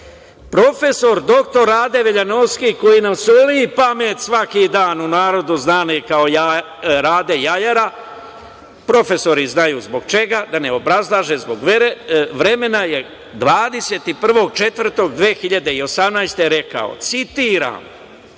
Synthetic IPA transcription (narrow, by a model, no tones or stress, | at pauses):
pɾo̞fe̞so̞ɾd̪o̞kt̪o̞ɾaːd̪e̞ʋeʎano̞ʋskiko̞jinamsolipame̞ːt̪sʋakid̪aːnunaːɾo̞d̪uznaːnikao̞ja | ɾaːd̪e̞jajaɾa | pɾo̞fe̞so̞ɾiznajuzbo̞ɡ̚t͡ʃe̞ɡad̪ane̞o̞bɾazlˠaʒe̞zbo̞ɡ | ʋɾe̞me̞naje̞ | d̪ʋaːd̪e̞seːt̪ipr̩ʋo̞ɡ̚t͡ʃe̞t̪vr̩t̪o̞ɡd̪ʋeːxiʎad̪e̞io̞samnajst̪e̞ɾe̞ka̰o̰t̪sit̪iːɾa̰ːm